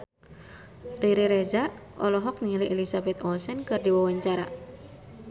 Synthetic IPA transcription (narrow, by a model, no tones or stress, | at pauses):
riɾiɾɛza | ʔɔlɔɦɔk̚niliʔɛlisabɛt̪ɔsɛnkɨrdiwawaɲt͡ʃaɾa̰